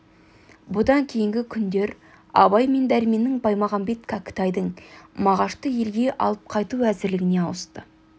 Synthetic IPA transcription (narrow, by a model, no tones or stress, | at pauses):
bʊd̪ɑŋkʲʰe̞jɪŋɡʲɪkʲʰʏnd̪e̞ɾ | ɑbɑjme̞nd̪æɾɪme̞nɪŋbɑjmɑʁɑmbe̞t̪kʰɑkʲɪ̥t̪ɑjd̪əɴmɑʁɑʃt̪əje̞lɡʲe̞ʔɑ̰lˠəp̚qʰɑjt̪uæzɪɾlɪɡʲɪne̞ɑwəst̪ə